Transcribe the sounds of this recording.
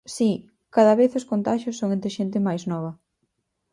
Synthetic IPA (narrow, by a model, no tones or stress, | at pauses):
si | kaðɐβeθoskont̪aʃjosːoŋẽnt̪ɾɪʃent̪ɪmajznɔβ̞ɐ